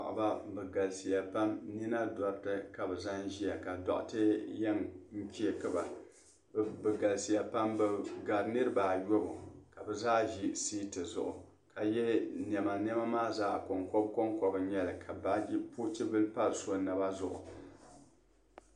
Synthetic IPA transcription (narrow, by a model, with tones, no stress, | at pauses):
ʔba˦bɨ˨ɡa˨lsi˨ja˨pa˦mni˦na˦dɔ˦ɾtɨ˦ka˨bɛ˨za˦n˦ʒi˦a˨ka˨dɔ̰˨ʔtɨ˦jɛ˦mŋ̩˦ki˦e˨kɨ˦ba˨ | bɨ˨ɡa˨lsi˨ja˨pa˦mbɨ˨ɡa˨ɾnɨ˦ɾɨ˦baː˨jo˦bʊ̰˨ka˨bɛ˨zaː˦ʒi˦siː˦tɨ˨zʊ̰˨ʔʊ˨ | ka˨jɛ˦n˨ɛ˨ma˨n˦ɛ˦ma˦maː˦zaː˦ko˨ŋkɔ˦b̚ko˦ŋkɔ˦bɨ˨˦ɲɛ˦lɨ˨kʰa˨ba˦d͡ʒi˦pu˦t͡ʃi˦bɨ˦lpa˦lso˦nɨ˨ba˦zʊ˨ʔʊ̰˨